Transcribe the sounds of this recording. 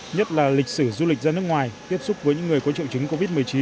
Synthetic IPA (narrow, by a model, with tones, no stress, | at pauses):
ɲə˦˥t̚laː˨˩lï˨˩k̟̚sɨ˧˩zu˧li˨˩k̚zaː˧nɨ˦˥əkŋwaː˨˩jt̪i˦˥əp̚sʊ˦˥k͡p̚vəː˨˦jɲɨ̰˧˥ŋːɨ˨˩əjkɔ˨˦t͡ɕḭ˧˨wt͡ɕɨ˨˦ŋko˧vi˦˥t̚mɨ˨˩əjt͡ɕi˨˦n